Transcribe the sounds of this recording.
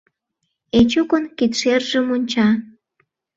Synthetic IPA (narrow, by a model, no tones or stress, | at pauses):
et͡ɕukonkit̪ʃerʒə̆munʲt͡ɕɑ